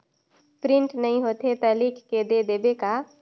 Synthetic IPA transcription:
pɾɪ̃ɳʈnəɦĩɦot̪et̪əlikked̪ed̪eːbeka

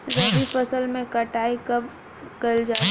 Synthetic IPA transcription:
ɾɛbʱipɐsəlmẽkɐʈaːikɐb | kɐld͡ʒa

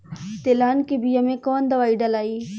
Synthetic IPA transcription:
t̪elaːnkebijamẽkɔːnd̪ɐʋaːiɖɐlaːiː

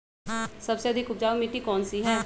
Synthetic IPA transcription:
səbseəd̪ʱɪkʊp̚d͡ʒaːʋomiʈːikɔːnsiɦɛː

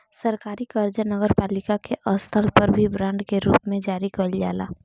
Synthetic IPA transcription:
səɾkaːɾikəɾd͡ʒənəɡəɾpaːlɪkakeʔəst̪ʰəlpəɾbʱibɾãːɳɖkeɾuːpmẽd͡ʒaːɾikəlja̰ːla̰ː

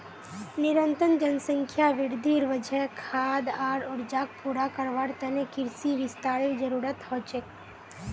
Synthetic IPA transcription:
nɪɾənt̪ənd͡ʒənsə̃ŋkʰjaʋɪɽd̪ʱiːɾʋəd͡ʒɛkʰaːd̪aːɾɔɾd͡ʒaːk̚puːɾakəɾʋaːɾt̪ɛnekɪɾsiʋɪst̪aːɾed͡ʒəɾuːɾət̪hoːt͡ʃek

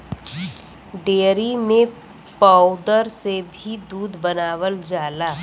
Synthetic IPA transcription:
ɖeːɾimẽ | paːʊd̪əɾsebʱid̪uːd̪bənaːʋəld͡ʒaːlaː

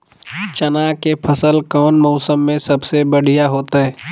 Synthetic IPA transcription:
t͡ʃɐnakepʰəsəlkɔːnmɔʊsəmːẽsɐbsebəɽ̤ijaɦoːt̪aɦɛː

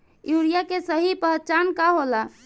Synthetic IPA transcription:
juɾijakesəɦipəɦt͡ʃankaɦola

